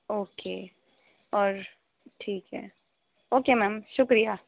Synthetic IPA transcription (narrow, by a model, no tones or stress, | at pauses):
oːkeː | ɔːɾ | ʈʰiːkɦɛ̰ː | oːkemɛːmʃʊkɾija